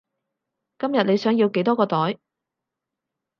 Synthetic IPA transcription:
kɐ˥mjɐ˨t̚ne˨˧jsœː˨˥ŋjiː˧wke˨˥jt̪ɔː˥kɔː˧t̪ɔː˨˥j

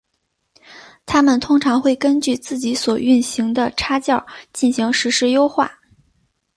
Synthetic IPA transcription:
t̪ʰa˥mə˨nt̪ʰʊ˥ŋʈ͡ʂʰɑ˧˥ŋxwe˥˩ɪkə˥nt͡ɕy˥˧t͡sɹ̩˥˩t͡ɕi˧˥swɔ˨˩y˥˩nɕi˧˥ŋd̪ə˧ʈ͡ʂʰa˥t͡ɕjɑ˥˩ʊt͡ɕi˥˩nɕi˧˥ŋʂɻ̩˧˥ʂɻ̩˧˥jo˥ʊxwa̰˥˩

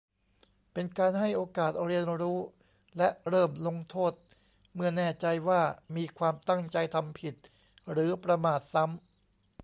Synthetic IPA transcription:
pe˧nkaː˧nɦa˥˩jʔoː˧kaː˨˩t̪̚ɾi˧ənɾuː˦˥ | lɛ˦˥ʔɾɤː˥˩mlo˧ŋt̪ʰoː˥˩t̪̚ | mɯ˥˩ɐnɛː˥˩t͡ɕa˧jwaː˥˩miː˧kʰwaː˧mt̪a˥˩ŋt͡ɕa˧jt̪ʰa˧mpʰi˨˩t̪̚ | ɾɯː˩˦pɾa˧maː˨˩t̪̚sa˦˥m

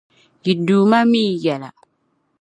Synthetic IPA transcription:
ji˨duː˨ma˦mi˦˨jɛ˨la̰˨

